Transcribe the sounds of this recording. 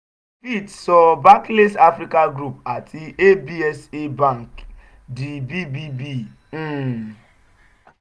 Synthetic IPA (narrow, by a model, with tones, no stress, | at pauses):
pi˦˨tsɔ˦ba˦kle˦sa˦fɾi˦ka˦ɡɾu˦˨p̚a˨tʰi˦e˦bi˦ɛ˦se˦bã˦˨ŋk | di˨bi˦bi˦bi˦˨˦